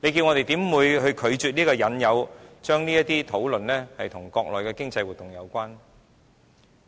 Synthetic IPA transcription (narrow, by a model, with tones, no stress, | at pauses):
le˨˧jkiː˧wŋɔ˨˧t̪e˨jt̪iː˨˥mwuː˨˧jhɵ˧ɥkʰɵ˨˧ɥt͡ʃyː˨t̚niː˥kɔː˧jɐ˨˧˥njɐ˨˧wt͡ʃœː˥ŋniː˥jɐ˥t̪̚iː˥t̪ʰo˨˥wlɵ˨nlɛː˥hɐ˨jt̪ʰʊ˨˩ŋkɔː˧k̚lɔ̰ː˨jkɛː˧kɪ˥ŋt͡sɐ˧jwu˨t̪ʊ˨ŋjɐ˨˧wkʷaː˥n